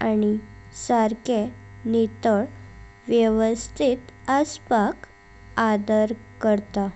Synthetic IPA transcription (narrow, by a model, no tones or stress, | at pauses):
añisaɾkenit̪əɭ | ʋjəʋəst̪ʰit̪əspak | ad̪əɾkəɾt̪a